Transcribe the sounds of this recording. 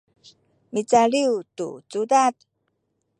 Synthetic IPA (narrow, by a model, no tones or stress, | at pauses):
mit͡saɭiwtṵt͡sudat̚